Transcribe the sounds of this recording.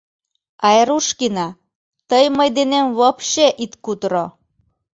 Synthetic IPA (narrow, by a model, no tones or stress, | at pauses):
ɑeɾuʃkinɑ | t̪əjməjd̪enemβopʃeʔit̪kut̪ɾo